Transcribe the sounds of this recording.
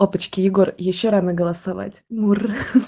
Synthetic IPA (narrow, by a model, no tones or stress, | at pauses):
opət͡ɕkʲɪjɪɡo̞rjɪɕːoɾanəɡəlˠəsɐva̰tʲmur